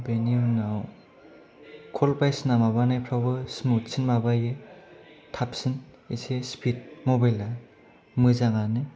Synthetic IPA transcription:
beniunaw | kʰɔlpajsnamabanajpʰɾawbɯsmutsinmabaje | tʰap̚sin | isespʰit̚mɔbajla | mɯzaŋanɯ

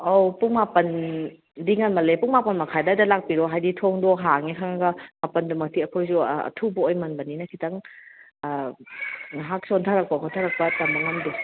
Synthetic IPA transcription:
owpuŋmapɐn | diŋanmɐlepuŋmapɐnmɐkʰajdadɐlak̚piɾɔɦajditʰɔŋdɔɦaŋikʰaŋɐɡɐmapɐndumɐk̚tiɐkʰojzuɐ̰tʰubɐojmɐnbɐninɐkʰitɐŋ | ɦak̚sɔntʰaɾɐk̚pɐkʰɔntʰaɾɐk̚pɐtɐmbɐŋɐmdi

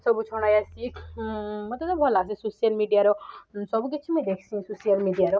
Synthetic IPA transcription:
sɔbut͡ʃʰɔɽ̃ajasik | mɐ̃t̪ɔt̪ɔbʱɔlaɡsĩsosijɐlmiɖijaɾɔsɔbket͡ʃʰimẽd̪ekʰsʰĩsosijɐlmiɖijaɾɔ

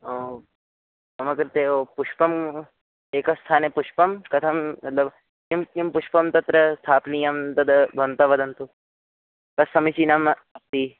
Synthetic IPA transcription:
o | ɐmɐkɐɾt̪eoːpuʃpɐm | eːkɐst̪ʰaːnepuʃpɐmkɐt̪ʰɐmːɐt̪lɐb | kimkimpʊʃpɐmt̪ɐt̪ɾɐst̪ʰaːpnijɐmt̪ɐd̪bʱɐnt̪ɐʋɐd̪ɐnt̪u | kɐsɐmisinɐmɐp̚t̪iː

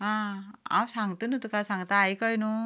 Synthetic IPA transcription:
ɦãa̰wsaŋɡt̪unut̪ukasaŋɡt̪aːjkəjnu

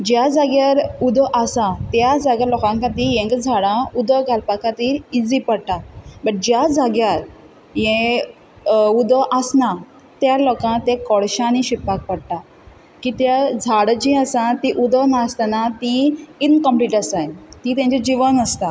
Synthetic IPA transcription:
d͡ʑjad͡zaɡjaɾud̪ɔʔasãt̪jad͡zaɡjaɾlɔkãŋkat̪ijẽŋɡd͡zʱaɽãud̪ɔɡʱalpakat̪iːɾid͡zipəɽʈabəʈ̚d͡ʑjad͡zaɡjaɾ | jẽ | ud̪ɔʔasna | t̪jalɔkãt̪ẽkɔɽɕãniɕipːak̚pəɽʈa | kit̪jad͡zʱaɽd͡ʑĩəsãt̪iʔud̪ɔnast̪anat̪iinkəmpliːʈəsajt̪it̪jãɲt͡ɕed͡ʑiʋənəst̪a

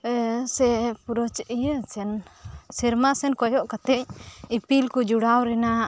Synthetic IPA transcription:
sɛpuɾɔt͡ʃʔijət͡ʃɛnsiɾmasɛnkɔjɔʔkat̪ɛc̚ipilkud͡ʒuɽawɾɛna

